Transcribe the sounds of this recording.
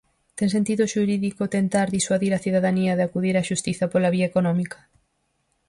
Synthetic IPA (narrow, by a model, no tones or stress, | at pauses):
t̪eŋs̬ent̪iðʊʃuɾiðikot̪ent̪aɾðiswaðiɾɐθiðaðaniɐðɪakuðiɾaʃust̪iθɐpolɐβiɐekonɔmikɐ̥